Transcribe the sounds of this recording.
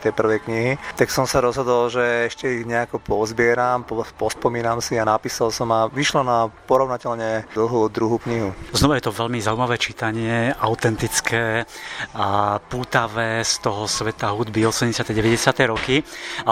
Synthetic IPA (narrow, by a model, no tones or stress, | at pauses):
t̪ɛjpr̩ʋɛjkɲiɦit̪aksɔmsaɾɔzɦɔd̪ɔlʒɛɛʃcɛiɣɲɛakɔpɔzbɪɛɾampɔpɔspɔmiːnamsianapiːsalsɔmaʋiʃlɔnapɔɾɔʋnacɛʎɲɛd̪l̩ɦud̪ɾuɦukɲiɦuznɔʋajɛt̪ɔʋɛʎmizauimaʋɛːt͡ʃit̪aɲɪɛʔaʊt̪ɛnt̪it͡skʰɛː | apuːt̪aʋɛːst̪ɔɦɔsʋɛt̪aɦud̪biɔsɛmɟɛsɪat̪ɛjɟɛʋɛɟɛsɪat̪ɛjɾɔkia